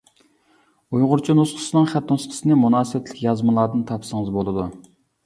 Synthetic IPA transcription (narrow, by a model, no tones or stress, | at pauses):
ujʁʊɾt͡ʃʰinusqʰə̥sɨnɨŋχæt̪nosqʰə̥sɨnɨmunɑːsɨwɛt̪ʰlɪ̥kʲjɑzmɨlˠɑːd̪ɨnt̪ʰɑpʰsəŋəzbolˠɨd̪u